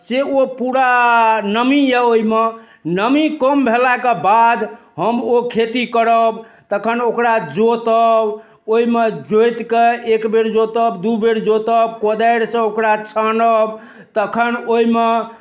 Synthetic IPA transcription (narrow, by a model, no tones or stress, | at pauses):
seopuɾanəmijɛoime | nəmikəmbʱelakebad̪ | ɦəmokʰet̪ikəɾəb | t̪əkʰənokɾad͡ʒot̪əb | oimed͡ʒojt̪keekbeɾd͡ʒot̪əbd̪ubeɾd͡ʒot̪əbkod̪ajɾsə̃okɾat͡ʃʰənəb | t̪əkʰənoime